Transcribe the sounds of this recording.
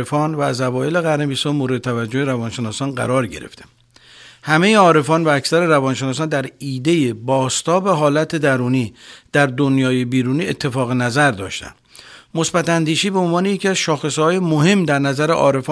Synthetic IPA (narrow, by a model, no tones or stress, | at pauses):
efɒːnvæːzævɒːjele̞ɣæɾnebiːshɒːmoɾeet̪ʰævæd͡ʒːoeɾævɒːnʃe̞nɒːsɒːnɢæ̰ɾɒːɾɟe̞̰ɾḛft̪ʰe̥ | hæme̞jeɒːɾe̞fɒːnvæːcsæɾe̞ɾævɒːnʃenɒːs̬ɒːnd̪æɾiːd̪e̞jebɒːst̪ɒːbe̞ɦɒːlæt̪ʰe̞d̪æɾuːniːd̪̥æɾd̪o̞njɒːje̞biːɾuːniːet̪ʰːe̞fɒːɣenæzæɾd̪ɒːʃt̪æ̰nd̪̥ | mo̞sbæt̪ænd̪iːʃiːbeonvɒːnejecʰiæzʃɒːxe̞shɒːjemoɦe̞mːd̪æɾnæzæɾeʔɒ̰ːɾe̞fɒː